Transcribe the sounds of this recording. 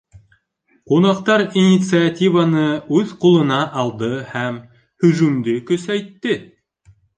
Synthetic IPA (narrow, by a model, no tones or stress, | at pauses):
qunɑqt̪ɑɾinʲit̪sɨat̪ʲivanɤʉðqulˠɤ̆nɑʔɑlˠd̪ɤhæm | hɵ̆ʒʉmd̪ɘkɵ̆sæjt̪ːɘ